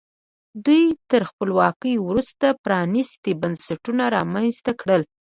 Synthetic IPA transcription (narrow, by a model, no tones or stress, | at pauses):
d̪ujt̪əɾxpəlwɑkəjwɾust̪apɾɑnist̪ebansaʈunaɾɑmanzt̪akɽəl